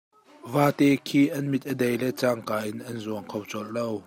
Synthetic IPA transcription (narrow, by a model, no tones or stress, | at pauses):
vaːt̪ɛkʰiːʔɐnmit̪̚ʔədejlɛt͡saːŋkaːʔɪnʔɐnzuəŋkʰowt͡sɔl̚low